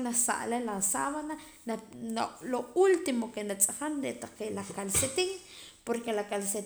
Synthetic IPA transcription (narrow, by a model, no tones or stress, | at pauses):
nasa̰ʔlelasaβana | aloult̪imokenat͡sʼaχanɾeʔt̪aqeʔlakalset̪ik | poɾkelakalse